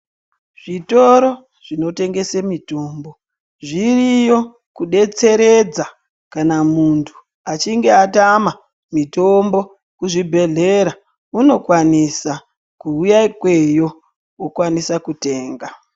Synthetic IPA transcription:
ʐ̥ito̞ɾo | ʐ̥ino̞te̞ŋɡe̞semito̞ːmbo̞ | ʐirijo̞ | kuɗe̞t͡se̞ɾe̞d͡za | kanamuntʰu̥ | at͡ʃiŋɡe̞atama | mito̞mbo̞ | kuʐibʱe̞ɮe̞ɾa | uno̞kwanisa | kuujaikwe̞jo̞ | wokwanisakute̞ːŋɡa

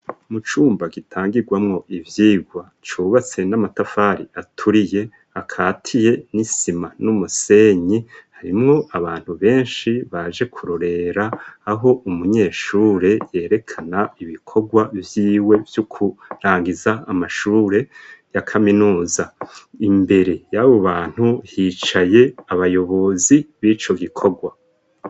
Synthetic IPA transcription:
mut͡ʃuːmbaɡitʰaːŋɡiɡwamŋo̞ʔivjiːɡwa | t͡ʃuːβat͡se̞namatafaɾiatʰuɾije̞ | akʰaːtʰije̞nisimanumuse̞ɲihaɾimŋo̞ʔaβaːn̥huβe̞ːnʃiβaʒe̞kʰuɾoɾe̞ɾaːɦo̞ʔumuɲe̞ːʃuːɾe̞je̞ːɾe̞kʰanaiβikʰo̞ɡwavjiːwe̞vjukʰuɾaːŋɡizaamaʃuːɾe̞jakʰaminuːzaimbe̞ɾe̞jaβo̞βaːn̥huhiːt͡ʃaje̞aβajo̞βo̞ziβiːt͡ʃo̞ɡikʰo̞ɡwa

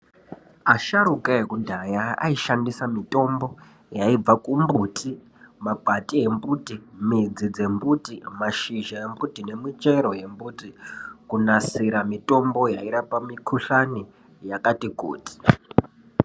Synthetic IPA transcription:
aʃaɾukaɦekudʱajaa̰iʃandisamito̞mbo̞ | jaib͡vakumbutʰi | mabʱatiembutimid͡zid͡ze̞mbutimaʃiʒae̞mbutine̞mit͡ʃe̞ɾo̞je̞mbutikunasiɾamito̞mbo̞jaiɾapamikʰuɬani | jakatiɡṵːti̥

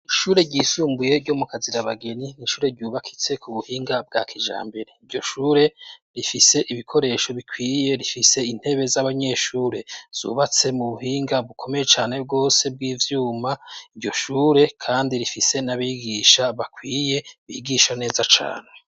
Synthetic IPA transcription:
iʃuːɾe̞ɟiːsuːmbuje̞ɾɟo̞mukaziɾaβaɡe̞niniʃuːɾe̞ɾɟuβakʰi̥t͡se̞kʰuβuhiːŋɡab̚ɡa̰ːkʰiʒa̰ːmbeɾeiɾɟo̞ʃuːɾe̞ɾifise̞ʔiβikʰo̞ɾe̞ːʃo̞βikʰwiːje̞ɾifise̞in̥he̞βe̞zaβaɲe̞ʃuːɾe̞z̥ṵβat͡se̞muβuɦiːŋɡaβukʰo̞me̞je̞t͡ʃaːne̞bɡo̞ːse̞b̚ɡiːvjuːmaiɾɟo̞ʃuːɾe̞kʰaːndiɾifise̞naβiɡiːʃaβakwiːje̞βḭɡiʃane̞ːzat͡ʃa̰ːne

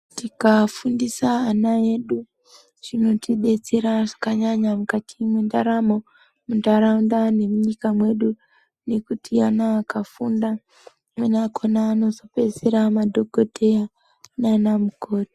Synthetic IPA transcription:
tikafundisaːnae̞ɗu | ʐ̥ino̞tiɗe̞t͡seɾaʐakaɲaɲamukatimwendaɾamo̞ | mundaɾaundane̞muɲikamwe̞ɗu | ne̞kutʰianaːkafunda | mwenakʰonaːno̞zo̞pe̞zeɾamadʱo̞ɡʱo̞de̞ja | nanamuko̞ti

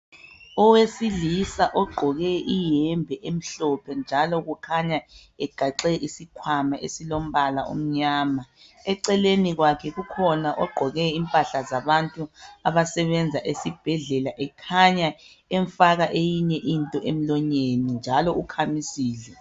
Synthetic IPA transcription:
ɔwesilisaʔɔɡ͡ǃʱɔɣɛʔijɛmbʱɛʔem̩ɬɔpʰɛnd͡ʒʱalɔɣukʰaɲaɛɡ̥ʱaǁɛʔisikʰwamaʔesilom̩βalaṵm̩ɲaːma | ɛǀɛleniɣwakʰɛɣukʰɔnaʔɔɡ͡ǃʱɔɣɛimpʼaɬazaβantʼuaβasɛβɛnd͡zʱaʔesib̥ʱɛɮɛlaʔɛkʰaɲa | ɛɱfaɣaʔejiɲɛʔintʼɔʔem̩lɔɲenind͡ʒʱalɔukʰamisiːɮɛ

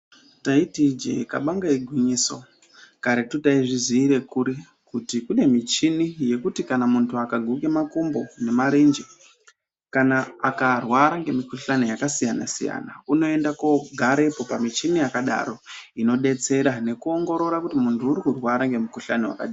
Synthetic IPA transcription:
taitid͡ʒe̞̰ka̰ɓaŋɡaiɡʱwiɲiso | kaɾetutaiʐiziːɾe̞kuɾi | kutikune̞mit͡ʃinije̞kutikanamuntʰuakaɡʱuke̞makumbo̞ne̞maɾind͡ʒe | kanaːkarwaɾaŋɡe̞mikuɬanejakasijana̰sḭja̰na̰uno̞e̞ndakoɡʱaɾe̞po̞pamit͡ʃinijakaɗa̰ɾo̞ino̞ɗe̞t͡se̞ɾane̞kuo̞ŋɡo̞ɾo̞ɾakutimuntʰuːɾikurwaɾaŋɡe̞mikuɬanewa̰ka̰ɗiː

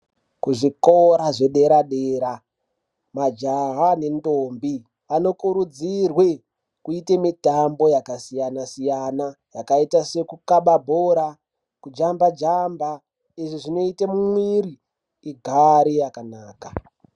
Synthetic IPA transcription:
kuʐikoɾaʐe̞ɗe̞ɾaɗeːɾa | mad͡ʒaɦane̞ndombi | ʋano̞kuɾud͡zirwe | kuitemitambo̞jakasijanasijana | jakaitase̞kukaɓabʱoɾa | kud͡ʒambad͡ʒamba | iʐiʐino̞itemumwiɾiː | ɡʱaɾijakanaːka

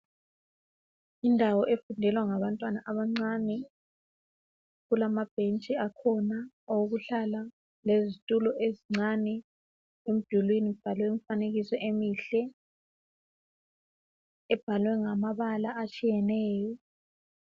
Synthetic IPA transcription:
indʱawɔʔefundʱɛlwaŋaβantʼwanaʔaβaŋ͡ǀanɛ | ɣulamab̥ʱent͡ʃʼiakʰɔna | owuɣuɬala | lezitʼulɔʔeziŋ͡ǀanɛ | em̩d̥ʱulwinib̥ʱalwɛumfaneɣisɔʔemiːɬɛ | ɛb̥ʱalwɛŋamaβalaʔat͡ʃʼijɛnɛːjɔ

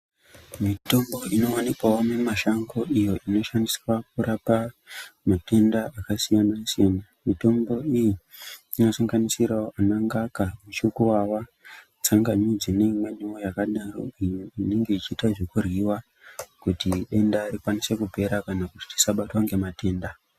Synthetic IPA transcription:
mito̞mbo̞ino̞wanikwawomemaʃaŋɡo̞ʔijo̞ʔino̞ʃandiswak̚urapa | mate̞ndaakasijanasijena | mito̞mbo̞ijiː | no̞saŋɡanisiraoʔanaŋɡakamuʃukuwawa | t͡saŋɡaɲid͡zine̞imwe̞niojakaɗaro̰ijuine̞ŋɡe̞it͡ʃiːtaʐekuriwa | kutiɗe̞ndaikwanise̞kupe̞ɾakanakuti̥ti̥saɓatwaŋɡe̞mate̞ːnda

